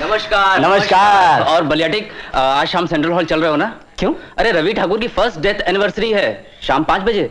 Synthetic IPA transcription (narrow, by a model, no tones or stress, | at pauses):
nɐməʃkaːnɐməʃkaːɔːɾbɐlijaːʈɪkaːd͡ʒʃaːmsẽɳʈɾəlɦɔːlt͡ʃɐlɾəɐeɦoːna | kjõːɐɾeɾɐʋiʈʰaːkʊːɾkifɐɾsʈ̚ɖeːt̪ʰɛːnɪʋəɾsɾiɦɛː | ʃaːmpãːt͡ʃbɐd͡ʒeː